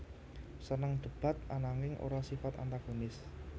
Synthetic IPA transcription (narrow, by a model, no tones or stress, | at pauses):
sənəŋd̪̥ə̤b̥a̤t̪̚anaŋɪŋʔo̰ɾasifat̪a̰nt̪aɡ̥onɪs